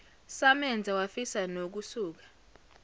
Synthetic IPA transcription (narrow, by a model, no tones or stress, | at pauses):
samɛnd͡zʱawafisanok̬usuːk̬ḁ